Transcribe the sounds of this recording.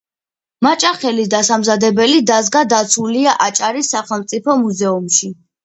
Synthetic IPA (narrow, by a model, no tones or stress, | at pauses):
mat͡ʃʼaχɛlid̪asamzad̪ɛbɛlid̪azɡad̪at̪sʰuliaʔat͡ʃʼaɾisːaχɛlˠmt̪sʼipʰɔmuzɛumʃi